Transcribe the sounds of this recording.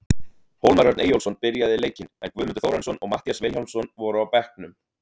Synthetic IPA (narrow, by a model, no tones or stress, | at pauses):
howlmaɾjœɾt̪nejowlsɔnpɪɾjaðɪleːjcɪnɛ̰nkvʏːmʏnt̪ʏθowɾɛnsɔnɔɣma̰ht̪ijasveːlhawlmsɔnvɔɾʏawpɛhknʏm